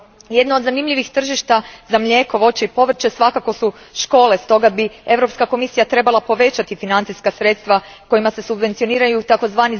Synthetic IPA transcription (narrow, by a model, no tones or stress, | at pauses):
je̞d̪naod̪zanimʎʲiʋixt̪r̩ʒiʃt̪azamʎʲe̞ːko̞ʋo̞t͡ɕeipo̞ʋr̩t͡ʃesʋakako̞su | ʃko̞ːle̞st̪o̞ɡabie̞ʋɾo̞pskako̞misijat̪ɾe̞balˠapo̞ʋe̞t͡ɕat̪ifinant̪siskasɾe̞t̪st̪ʋa | ko̞imase̞subʋe̞nt̪sijo̞niːɾajut̪ako̞zʋaːni